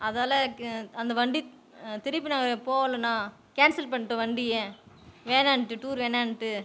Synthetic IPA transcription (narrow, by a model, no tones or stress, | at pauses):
ɐðaːlɐɐnd̪ɐʋɐɳɖi | t̪ɪɾɪpːinãːɡɐɐpoːʋɐlɐnãː | keːnsɐlpɐɳːɯʈːɐʋɐɳɖɪjẽʋeːnaːɳʈːɯʈuːɾʋeːnaːɳɯʈːɯ